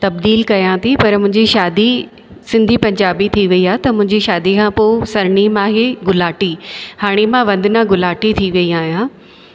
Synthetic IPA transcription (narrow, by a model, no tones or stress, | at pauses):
t̪ɐb̚d̪iːlkɐjãt̪ʰipɐɾmʊ̃ɦɪ̃ɲd͡ʑiʃaːd̪i | sɪ̃nd̪ʱipɐ̃ɲd͡ʑaːbit̪ʰiʋɐiaːɦet̪ɐmʊ̃ɦɪ̃ɲd͡ʑiʃaːd̪ikʰãpoːsɐɾɳimãːɦeɡʊlaːʈihaːɽ̃imãʋɐ̃nd̪ʱɪnãɡʊlaːʈit̪ʰiʋɐiaːɦijã